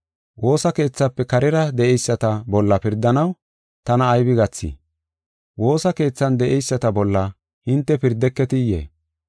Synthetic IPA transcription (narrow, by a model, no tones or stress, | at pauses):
wo̞ːsɐke̞ːt͡sːɐpːɛkɐɾɪɾɐd̪ɛɛjsːɐt̪ɐbɔlːɐpɪɾd̪ɐnɐw | t̪ɐnɐːjbɪɡɐt͡sːḭː | wo̞ːsɐke̞ːt͡sːɐnd̪ɛʔɛjsːɐt̪ɐbɔlːɐ | hɪnt̪ːɛpɪɾd̪ɛkːɛt̪ɪjḛː